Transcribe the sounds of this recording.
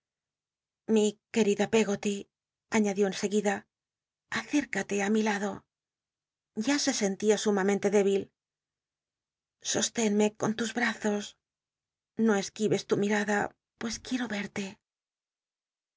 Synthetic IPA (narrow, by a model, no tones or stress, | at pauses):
mike̞ɾiðape̞ɣo̞t̪i | aɲaðjo̞ense̞ɣiða | aθe̞ɾkat̪e̞amilaðo̞ | ɟ͡ʝase̞se̞nt̪iasumamẽnt̪e̞ðe̞βil | so̞st̪e̞nme̞ko̞nt̪uzβɾaθo̞s | no̞e̞skiβe̞st̪umiɾaða | pwe̞skje̞ɾo̞βe̞ɾt̪e̞